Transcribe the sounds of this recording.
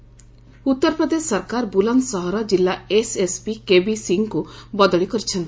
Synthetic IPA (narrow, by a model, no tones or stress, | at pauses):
ut̪ːɔɾpɾɔd̪esːɔɾkaɾbulansɔɦɔɾɔd͡ʒilːaesespikebisiŋkubɔd̪ɔɭikɔɾit͡ʃʰɔnt̪i